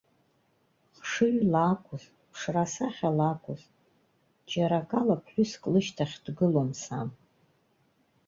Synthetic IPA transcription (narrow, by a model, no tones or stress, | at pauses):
χʂɨɥlakʷʰʼʊz | pʰʂrasaχʲalakʷʼʊz | d͡ʒaɾakʼalapʰħʷᶣʊskʼlɨʃtʰaχʲdɡɨlomsam